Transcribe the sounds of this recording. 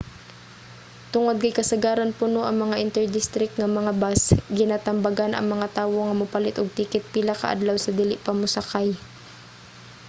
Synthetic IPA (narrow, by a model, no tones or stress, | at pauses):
t̪ʊŋod̪̚kɐjkɐsɐɡaːɾɐnpʊnoʔɐŋmɐŋaʔɪnt̪ɛɹd̪ɪst̪ɾɪk̚t̪̚ŋɐmɐŋabasɡɪnaːt̪ɐmbaɡanʔɐ̰ŋmɐŋat̪aːwoŋɐmʊpɐlɪt̪ʔoɡ̚t̪iːkɪt̪̚pilakɐ̰ʔɐ̰d̪lawsɐd̪iːlɪʔpɐmʊsɐkaj